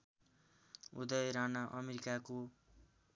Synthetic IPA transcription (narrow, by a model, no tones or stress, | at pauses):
ṵd̪ʌjɾanaʔʌmeɾikako